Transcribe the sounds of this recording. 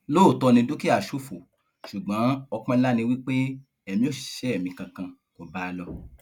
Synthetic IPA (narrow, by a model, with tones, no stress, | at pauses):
lo˦˨tɔ˧nĩ˧du˦ki˦a˦˨ʃu˦fo˨ | ʃu˨ɡ͡bã˨˦ɔ˧k͡pã˦la˦nĩ˧wi˦k͡pe˦ | ɛ˨mĩ˧˦o˦˨si̥˨ʃɛ˨˦ɛ˦˨mĩ˧kã˧kã˧ | kɔ˨ba˨˦˧lɔ˧